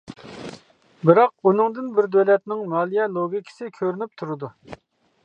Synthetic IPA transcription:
bɪɾɑq̚unɨŋd̪ɪnbɪɾd̪ølɛt̪nɪŋmɑːlˠijɛlˠoɡʲikʲʰɪ̥sɪkʲʰøɾynyp̚t̪ʰuɾɨd̪u

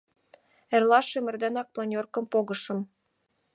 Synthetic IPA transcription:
erlɑʃemɘ̆rd̪enɑk̚plˠɑnʲorkɤ̆mpoɣɤ̆ʃɤ̆m

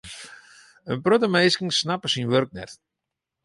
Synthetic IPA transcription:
ənpɾøt̪əmejskiŋsnapə̥sinʋœɾk̚nɛ̰rt̪

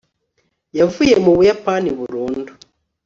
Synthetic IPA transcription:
javujemuβujapaniβuɾuːndu

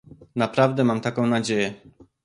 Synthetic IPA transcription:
napɾavd̪ɛmamt̪akɔ̃w̃nad͡ʑejɛ

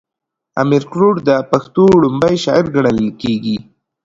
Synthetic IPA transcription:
a̰mɪɾkɾoɖd̪əpaxt̪oɽʊmbəjʃɑɪɾɡaɳəllkeɡi

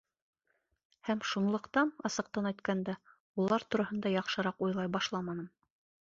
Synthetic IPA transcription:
hæmʃunlˠɤ̆qt̪ɑnɑsɤ̆q̚t̪ɑnɑjt̪kænd̪æ | ulˠɑɾt̪uɾɑhɤ̆nd̪ɑjɑqʃɤ̆ɾɑqujlˠɑjbɑʃlˠɑmɑnɤm

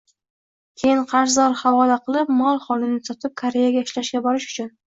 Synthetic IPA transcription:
kʲʰejɪɴqʰɑɾzɒɾhɑvɒlaqɨlˠɪpmɒlˠχɒlˠɪnɪsɒt̪ʰɪp̚kʰaɾe̞jaɡʲaɪʃlaʃɡʲabɒɾɪʃʊ̥t͡ʃʰʊn

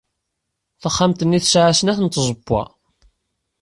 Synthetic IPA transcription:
θəχːamt̪ənːiθsʕasənæθənt̪ːzˤəbːɑ̰

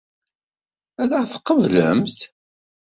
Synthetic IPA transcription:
æðəθqːəvləmθ

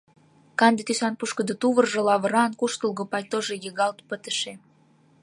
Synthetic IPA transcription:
kɑnd̪et̪ysɑnpuʃkə̆d̪ə̆t̪uβərʒĕlɑβə̆ɾɑnkuʃt̪əlɣŏpɑjt̪oʒejəɣɑlt̪pət̪ə̆ʃe

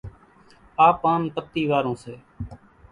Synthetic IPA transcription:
aːpãːmpət̪ːiːʋaːɾõːseː

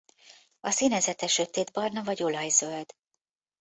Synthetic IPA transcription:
ɒsinɛzɛt̪ɛʃøt̪eːd̪bɒrnɒvɒɟolɒjz̥øld̪̥

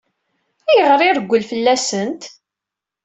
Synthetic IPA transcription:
æjəʁɾˤɪɾəɡʷːəlfəlːæsənt̪

